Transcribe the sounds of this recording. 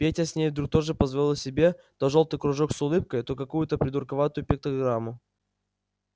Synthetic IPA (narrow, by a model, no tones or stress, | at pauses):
pʲetʲɐsʲnʲejvd̪ɾuk̚t̪o̞ʐɨpəzvɐlʲlˠəsʲɪbʲe̞t̪oʐo̞lˠt̪ɨjkɾʊʐoksʊlˠɨp̚kəjt̪okɐkujʊt̪əpɾʲɪd̪ʊrkɐvat̪ʊjʊpʲɪk̚t̪ɐɡɾamːʊ